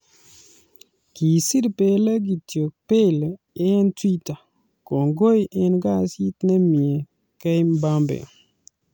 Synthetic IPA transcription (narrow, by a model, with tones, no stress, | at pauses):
ki˨si˦dpe˦la˦ɡi˨tjo˨k̚pe˦lː | ntwi˦ta˨ | ko˨ŋɡo˦jɛ˦nɡa˦˨si˦t̪nɛ˦mi˨e˨ | kɛ˦jmba˦mbḛ˨